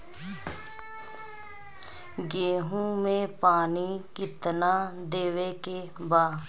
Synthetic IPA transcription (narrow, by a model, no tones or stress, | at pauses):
ɡeːɦũːmẽpaːniːkɪt̪naːd̪eːʋekeːbaː